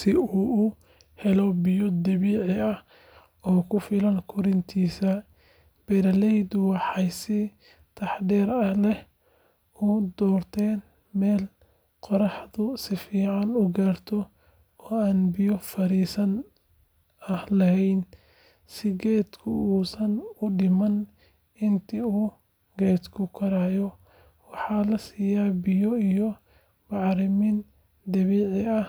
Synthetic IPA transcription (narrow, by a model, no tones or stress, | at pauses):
sɪuːʔʊ | hɛlɔbɪjɔd̪ɐβiːʕɪɐh | ɔːkʰʊfɪlɐŋkʰʊɾɪnt̪ʰiːsɐ | b̥ɛɾɐlɛjd̪ʊwɑħɑjsɪ | t̪ʰɑħd̪ɛːɾɐhlɛh | ud̪ɔːrt̪ʰɛːn | mɛːl | qɔɾɑħd̪ʊsɪfiːʕɑnʊɡaːrt̪ʰɔ | ɔːaːnbɪjɔfɐɾiːsɐn | ɐhlɐhɛjn | sɪɡɛːd̪kʰʊuːsɐnʊɖɪmɐn | ɪnt̪ʰiuː | ɡɛːd̪kʰʊkʰɐɾaːjɔ | wɑħɑːlɐsiːjaːbɪjɔijɔ | bɑʕɾɪmin | d̪ɐβiːʕɪɐh